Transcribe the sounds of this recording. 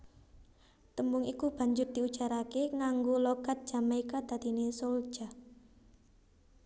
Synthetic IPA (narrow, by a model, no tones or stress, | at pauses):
t̪əmbʊŋikub̥a̤ɲd͡ʒʊrd̪̥iud̥ʒ̥a̤ɾakeŋaŋɡolɔɡ̥at̪̚d̥ʒ̥a̤maikad̪̥a̤d̪inesol̥ʒ̥a̤